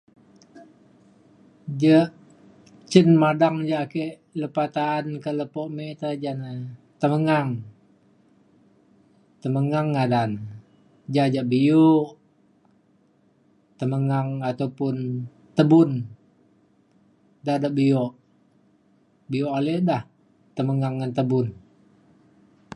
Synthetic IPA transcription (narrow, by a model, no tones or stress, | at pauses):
d͡ʒəʔ | t͡ʃənmadaŋd͡ʒaʔkeʔ | ləpat̪aːnkələpɔʔmet̪ad͡ʒanə | t̪əməŋaŋ | t̪əməŋaŋːadan | d͡ʒad͡ʒaʔbiuʔ | t̪əməŋaŋat̪awpʊn | t̪əbʊn | dadaʔbiɔʔ | bijɔʔalɛdah | t̪əməŋaŋːant̪əbʊn